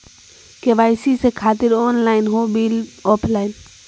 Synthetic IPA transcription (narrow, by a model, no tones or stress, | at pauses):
keʋaːjsisekʰaːt̪ɪɾoːnlaːɪnɦobilɔːpʰlaːɪn